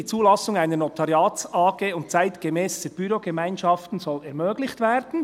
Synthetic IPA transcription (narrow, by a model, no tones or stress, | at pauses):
iːt͡suːlɑsʊŋaɪnənot̪ʰɑɾjɑːtsɑːɡeːʊnt̚t͡saɪtɡ̥emɛːsd̥əb̥yɾoɡemaɪnʃɑftn̩zɔlɛɾmøːɡlɪçtvɛːɾd̥n̩